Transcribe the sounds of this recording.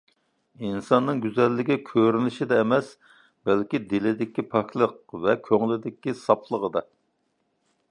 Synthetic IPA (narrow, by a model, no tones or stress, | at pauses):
insɑnːɨŋɡʲyzɛlːɪɡʲɛkʲʰøɾynɪʃid̪ɛːmɛs | bɛlkʲid̪ɪlɪd̪ɪkʲipʰɑkʲʰlˠəq̚vɛkʲʰøŋlɪd̪ɪkʲːisɑpʰlˠəʁəd̪ɑ